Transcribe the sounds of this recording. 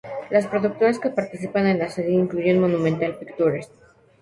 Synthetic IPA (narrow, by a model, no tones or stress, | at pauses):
laspɾo̞ðuk̚t̪o̞ɾaske̞paɾt̪isipane̞nlaseðjiiŋkluʝenmo̞nũmẽnt̪alpikt̪uɾes